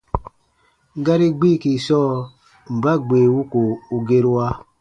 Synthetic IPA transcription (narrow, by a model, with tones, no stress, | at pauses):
ɡa˦ɾi˦ɡ͡bi˦˨ki˨sɔː˦˨ | m̩˨ba˦ɡ͡be˨wu˦ko˨u˨ɡe˦ɾu˦wa˦